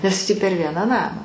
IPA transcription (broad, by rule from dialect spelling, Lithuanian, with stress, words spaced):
nʲɛs tʲiː pʲɛr ˈʋʲiɛnɑː ˈnɑːmɑː